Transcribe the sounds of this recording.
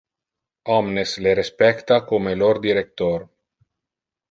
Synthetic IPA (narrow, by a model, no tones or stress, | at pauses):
ɔmnesleɾespɛkt̪akomeloɾd̪iɾek̚t̪oɾ